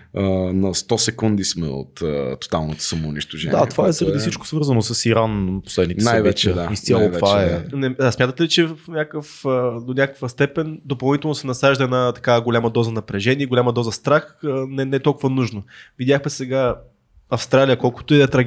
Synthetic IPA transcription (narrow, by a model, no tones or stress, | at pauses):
ənɐst̪ɔsɛkund̪ismɛ̰o̰t̪ə̰t̪ːo̥t̪a̰lˠnot̪o̥sɐmoːniʃt̪oʒɛ̰naiat̪ːovaɛzɐəɾɐd̪isit͡ʃko̥svɤɾzənosɐsiɾanpo̥slɛd̪nit̪ɛnɛjvɛt͡ʃɛd̪aist̪jalˠovvaɛnɛsmʲat̪ət̪ɛlit͡ʃɛfnʲakəfəd̪onʲakə̥kvəst̪ɛpɛnd̪opɐlˠnit̪ɛlˠnosɛnɐsaʒd̪əɛnat̪ɐ̥kaɡolʲamɐd̪ɔzənɐpɾɛʒɛniɛɡolʲamɐd̪ɔzəst̪ɾaxənɛnɛt̪ɔlˠkʊvɐnuʒnovid̪ʲjaxmɛsɛɡa | ɐfst̪ɾalijəkɔlˠkʊ̥t̪ɛd̪ɛt̪ɾɐ